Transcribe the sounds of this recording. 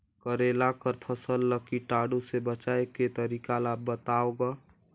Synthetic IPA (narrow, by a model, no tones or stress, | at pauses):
kəɾelakəɾpʰəsəlːəkiʈaɽusebət͡ʃaeket̪əɾikalabət̪aoɡə